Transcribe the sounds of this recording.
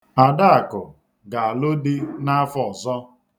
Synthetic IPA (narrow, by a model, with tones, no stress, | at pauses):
a˨da˦a˨kʊ˨ | ɡa˨a˨lo˦dɪ˦na˦fɔ˦˨ɔ˨zɔ˦